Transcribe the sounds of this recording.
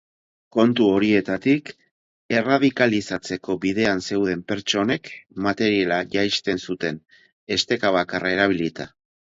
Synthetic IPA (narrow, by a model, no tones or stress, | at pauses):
ko̞nt̪uo̞ɾie̞t̪at̪ik | e̞rað̞ikalisat͡se̞ko̞βiðe̞anse̞wðe̞mpe̞ɾt͡ʃo̞ne̞kmat̪e̞ɾialaʝajst̪e̞nsut̪e̞n | e̞st̪e̞kaβ̞akarae̞ɾaβ̞ilit̪a